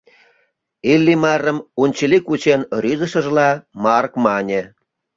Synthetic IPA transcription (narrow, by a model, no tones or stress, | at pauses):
ilʲːimɑrə̆munʲt͡ɕəlikut͡ɕenryzə̆ʃə̆ʒlɑmɑrkmɑnʲĕ